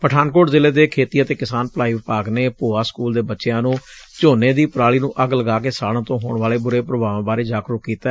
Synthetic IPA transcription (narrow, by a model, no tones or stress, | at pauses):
pəʈʰaːnkoːʈzɪleːd̪eːkʰeːt̪iːət̪eːkɪsaːnplaːiːʋɪpaːɡneːpoːaːskuːld̪eːbətːʃɪjãːnũːt͡ʃoːneːd̪iːpɾaːɭiːnũːʔəɡləɡaːkeːsaːɽ̃ãːt̪õːɦo̰ːɳʋaːleːbʊɾeːpɾəbaːʋãːbaːɾeːd͡ʒaːkɾʊkkːiːt̪aɛ